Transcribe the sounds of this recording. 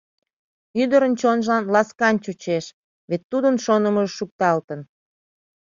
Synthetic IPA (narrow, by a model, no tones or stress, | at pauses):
yd̪əɾənt͡ɕonʒɑnlɑskɑnt͡ɕut͡ɕeʃ | βet̪ːud̪ənʃonəməʒʃuk̚t̪ɑlt̪ən